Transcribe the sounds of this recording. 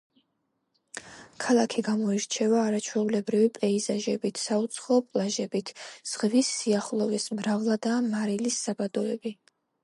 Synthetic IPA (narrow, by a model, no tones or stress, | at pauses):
kʰalˠakʰiɡamɔiɾt͡ʃʰɛvaːɾat͡ʃʰwɛulɛbɾivipʼɛizaʒɛbit̪ʰsaut̪sʰχɔːpʼlˠaʒɛbit̪ʰz̥ʁvisːiaχlˠɔvismɾavlˠad̪amaɾilisːabad̪ɔɛbi